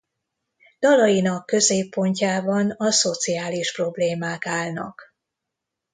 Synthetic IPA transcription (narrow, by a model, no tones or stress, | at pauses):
d̪̥ɒlɒjinɒkːø̞zeːpːo̞ɲcaːbɒnɒso̞t̪sijaːliʃpro̞bleːmaːkaːlnɒ̰k